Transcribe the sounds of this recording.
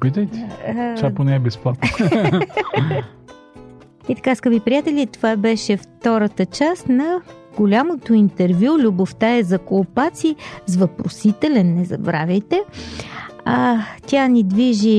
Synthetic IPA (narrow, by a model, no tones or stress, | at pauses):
pit̪əjt̪t͡ʃaponɛːbɛsplˠat̪̚n | it̪ɐ̥kaskəbipɾijat̪ɛlʲit̪ovabɛʃɛft̪ɔɾət̪ət͡ʃast̪nɐ | ɡ̥olʲamot̪oint̪ɛɾvjulʲuboft̪aɛzɐkolˠpat̪sizvɐpɾosit̪ɛlɛnːɛzɐ̰bɾa̰vʲəjt̪ɛ | at̪ʲjanid̪viʒi